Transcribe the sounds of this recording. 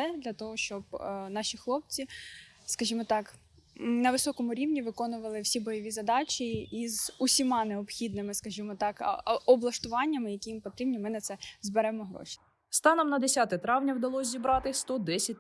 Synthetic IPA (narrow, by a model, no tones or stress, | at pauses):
ɛd̪lʲɐt̪ɔɦɔʃt͡ʃɔbnɑʃʲixlˠɔp̚t͡sʲi | skɐʒʲimɔt̪ɑk̩ | nɐʋɪsɔkɔmʊɾʲiwnʲiʋɪkɔnʊʋɐlˠɪwsʲibɔjɔʋʲizɐd̪ɑt͡ʃʲiːzusʲimɑneɔbxʲid̪nɪmɪskɐʒimɔt̪ɑkɔblˠɐʃt̪ʊʋɑnʲːɐmɪjɐkʲijimpɔt̪ɾibnʲimɪnɐt̪sɛzbeɾɛmɔɦɾɔ̰ʃi̥ | st̪ɑnɔmnɐd̪esʲat̪ɪt̪ɾɑwnʲɐwd̪ɐlˠɔsʲzʲibɾɑt̪ɪst̪ɔd̪ɛsʲɐt̚ʲ